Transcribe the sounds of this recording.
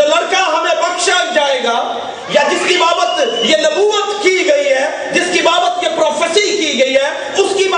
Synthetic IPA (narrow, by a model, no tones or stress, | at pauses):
olɐɾkaɦɐmẽbɐkʃakd͡ʒaːeːɡaː | jad͡ʒɪskibaːbət̪jenɐmuːət̪kiɡɐiɦɛː | d͡ʒɪskibaːbət̪jepɾɔːpʰesikiɡɐiɦɛː | ʊskib